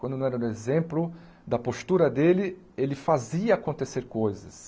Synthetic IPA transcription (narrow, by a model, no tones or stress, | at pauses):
wɐ̃nd̪ʊnɐ̃w̃ɛɾɐd̪ʊezẽmplʊ | d̪ɐpost̪uɾɐd̪elɪ | elɪfaziɐakõnt̪eseɾkojzɐs